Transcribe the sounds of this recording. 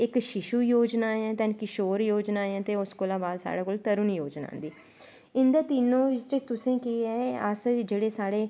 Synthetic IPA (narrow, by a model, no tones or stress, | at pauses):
ɪkʃɪʃuːjoːd͡ʒnaːɛ̃ːt̪ɛnkɪʃoːɾjoːd͡ʒnaːeɛ̃ːt̪eːʊskoːlãːbaːlsa̰ːɽaːkoːlt̪əɾʊnjoːd͡ʒna̰ːnd̪iː | ɪnd̪aːt̪iːnːõːt͡ʃt̪ʊsẽːkiːɛːəsd͡ʒeːɽeːsaːɽeː